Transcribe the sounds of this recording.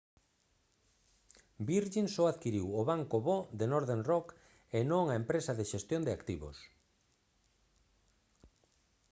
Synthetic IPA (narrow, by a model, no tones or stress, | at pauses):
biɾʒinsoaðkiɾiwoβaŋkoβod̪enoɾðenrɔk | enõŋaempɾesaðeʃest̪jond̪eakt̪iβo̰s